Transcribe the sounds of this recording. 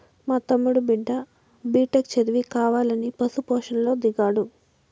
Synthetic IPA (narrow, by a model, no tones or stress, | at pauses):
maːt̪ɐmːuɽubiɖːɐ | biːʈɐkt͡ʃɐɾiʋikaːʋaːlɐnipɐsupɔːʂɐnlo̞ːd̪iɡaːɽu